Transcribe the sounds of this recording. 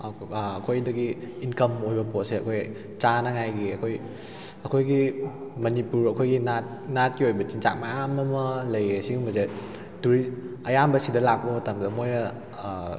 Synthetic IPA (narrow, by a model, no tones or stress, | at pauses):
ɐkʰojdɐɡiːnkɐmojbɐpot̚seɐkʰoj | t͡ʃanɐŋajɡiɐkʰoj | ɐkʰojɡimɐnipuɾɐkʰojɡinat̚ | nat̚kiojbɐt͡ʃint͡ʃa̰k̚maamɐmɐlɐjesiɡumɐze | duɾiɐjambɐsidɐlak̚bɐmɐtɐmdɐmojɾɐ